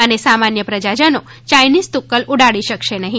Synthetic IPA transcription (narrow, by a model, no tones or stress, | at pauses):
ənesamanjəpɾəd͡ʒad͡ʒəno | t͡ʃajnizt̪ukːəluɽaɭiʃəkʃenəɦĩ